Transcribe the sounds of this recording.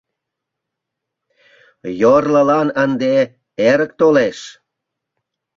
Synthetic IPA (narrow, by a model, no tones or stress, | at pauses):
jorləlɑnənd̪e | eɾək̚t̪oleʃ